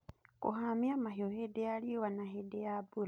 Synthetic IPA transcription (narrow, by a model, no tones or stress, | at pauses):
kṵɦamiamaɦiohedealiiwanaɦedeabuɾa